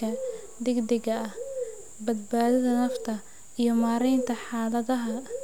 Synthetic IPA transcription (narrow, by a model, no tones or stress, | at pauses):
ɐ | d̪ɪɡd̪ɪɣɐɐh | bɐd̪̚baːðɐðɐnɐft̪ʰɐ | ijɞmaːɾɛjnt̪ʰɐħɑːlɐðɐɦɐ